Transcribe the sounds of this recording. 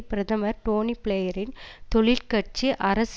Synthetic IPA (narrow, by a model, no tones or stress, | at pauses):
pɪɾɐðɐmɐɾʈoːnipɪɭɐjɐɾɪnt̪ɔɭɪlkɐʈ̚t͡ʃiʔɐɾɐs